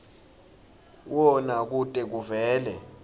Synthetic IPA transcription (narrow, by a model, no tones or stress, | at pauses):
wɔnak̬utʼɛk̬uvɛːlɛ